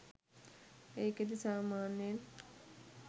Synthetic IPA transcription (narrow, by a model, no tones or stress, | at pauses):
eːked̪isaːmaːnen